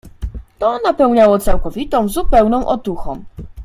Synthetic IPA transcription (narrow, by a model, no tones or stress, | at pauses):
t̪ɔnapɛwɲawɔt̪sawkɔvʲit̪ɔ̃w̃zupɛwnɔ̃w̃ʔɔt̪uxɔ̃m